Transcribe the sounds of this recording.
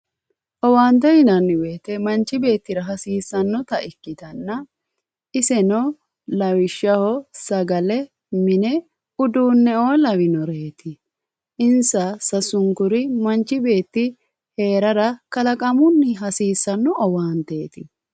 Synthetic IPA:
ʔɔwaːnt̪ɛjɪnɐnːɪwe̞ːt̪ɛmɐnt͡ʃːɪbe̞ːt̪ːɪɾɐɦɐsiːsːɐnːɔt̪ɐɪkːɪd̪ɐnːɐ | ʔɪsɛnɔ | lɐwɪʃːɐhɔsɐɡɐlɛ | mɪnɛ | ʊd̪uːnːɛoːlɐwɪnɔɾeːt̪ɪ | ʔɪnsɐsɐsʊŋkʊɾɪmɐnt͡ʃːɪbe̞ːt̪ːɪ | he̞ːɾɐɾɐkɐlɐkʼɐmʊnːɪɦɐsiːsːɐnːɔʔɔwaːnt̪eːt̪ɪ

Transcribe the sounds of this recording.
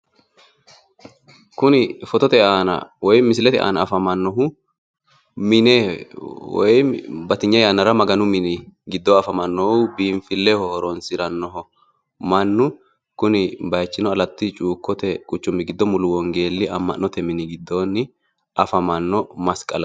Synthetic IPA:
kʊnɪfɔt̪ɔt̪ɛaːnɐ̰wɔjmɪs̬ɪlɛt̪ɛ̰ʔa̰ːnɐːfɐmɐnːɔɦʊ | mɪnɛ | wɔ̰jbɐt̪ɪɲːɐjaːnːɐɾɐmɐɡɐnʊmɪnɪɡɪd̪ːɔɐfɐmɐnːɔhʊbiːɱfɪlːɛhɔhɔɾɔnsɪɾɐnːɔɦɔ | mɐnːʊ | kʊnɪbɐjt͡ʃːɪnɔɐlɐt̪ːɪt͡ʃʼuːkːɔt̪ɛkʼʊt͡ʃːʊmːɪɡɪd̪ːɔmʊlʊwɔŋɡe̞ːlːɪɐmːɐ̰nːɔt̪ɛmɪnɪɡɪd̪ːoːnːɪ | ʔɐfɐmɐnːɔmɐskʼɐlɐ

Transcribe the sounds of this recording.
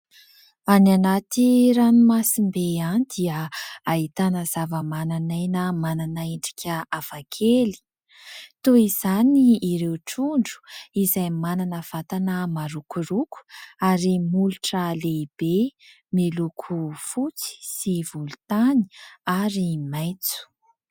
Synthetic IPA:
ananat̪iɾanimasimbeanid̪̥iəaɦit̪anəz̥avəmananajnəmananaeɳɖ͡ʐi̥kʲəafakʰeli̥ | t̪oiz̥aniːɾewʈ͡ʂuɳɖ͡ʐu̥izajmananəv̥at̪anəmaɾukuɾuku̥aɾimuluʈ͡ʂəleib̥e | melukʰufut͡si̥sivulut̪ani̥aɾimajt͡su̥

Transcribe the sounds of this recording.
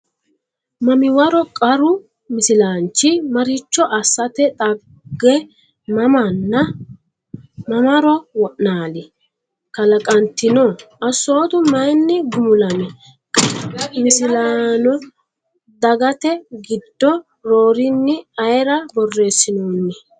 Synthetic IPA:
mɐmɪwɐɾɔkʼɐɾʊ | mɪsɪlaːnt͡ʃːɪmɐɾɪt͡ʃːɔʔɐsːɐt̪ɛt̪ʼɐ | ɡːɛ | mɐmɐnːɐ | mɐmɐɾɔwɔʔnaːlɪ | kɐlɐkʼɐnt̪ɪnɔːɐsːo̞ːt̪ʊmɐjnːɪɡʊmʊlɐmɛ | mɪsɪlaːnɔ | d̪ɐɡɐt̪ɛɡɪd̪ːɔ | ɾo̞ːɾɪnːɪɐjɾɐbɔrːe̞ːsːɪnoːnːɛ

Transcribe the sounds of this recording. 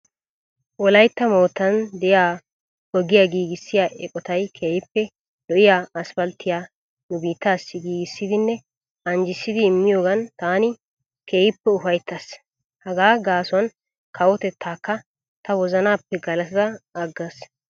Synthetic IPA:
wɔlɐjt̪ːɐmo̞ːt̪ːɐnd̪ɛjaː | ɔɡɪjaɡiːɡɪsːɪjaːʔɛkʼɔt̪ɐjkʰeːjɪpːɛ | lɔʔɪjaːɐsfɐlt̪ːɪjaː | nʊbiːt̪ːaːsːɪɡiːɡɪsːɪd̪ɪnːɛ | ɐnd͡ʒɪsːɪd̪ɪːmːɪjo̞ːɡɐnt̪aːnɪ | kʰe̞ːjɪpːɛʊfɐjt̪ːɐs | hɐɡaːɡaːsʊɐn | kʰɐwɔt̪ɛt̪ʰːaːkːɐ | t̪ɐwɔzɐnaːpːɛɡɐlɐt̪ɪd̪ɐɐɡːɐs

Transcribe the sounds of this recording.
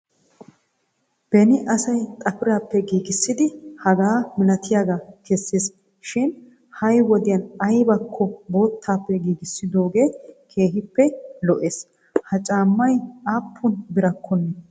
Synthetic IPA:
b̥ɛnɪʔɐsɐjt̪ʼɐpɪɾaːpːɛɡiːɡɪsːɪd̪ɪhɐɡaːmɪlɐt̪ʰɪjaɡakɛsːes | ʃɪn | hɐjwɔd̪ɪjɐnɐjbɐkʰːɔbo̞ːt̪ʰːaːpːɛɡiːɡɪsːɪd̪o̞ːɡe̞ːkʰe̞ːɦɪpːɛlɔʔeːs | hɐt͡ʃʼaːmːɐjaːpʰːʊnbɪɾɐkʰːɔnːɛ

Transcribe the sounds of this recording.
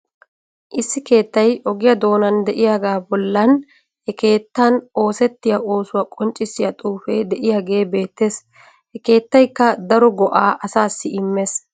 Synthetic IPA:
ʔɪsːɪke̞ːt̪ːɐjɔɡɪjɐd̪o̞ːnɐnd̪ɛʔɪjaːɡaːbɔlːɐn | hɛke̞ːt̪ːɐnʔo̞ːsɛt̪ːɪjɐo̞ːsʊwaːkʼɔnt͡ʃʼːɪsɪjɐt̪ʼuːfe̞ːd̪ɛʔɪjaːɡe̞ːbe̞ːt̪ːe̞ːs | hɛke̞ːt̪ːɐjkːɐd̪ɐɾɔɡɔʔaːʔɐsaːsːɪɪmːes

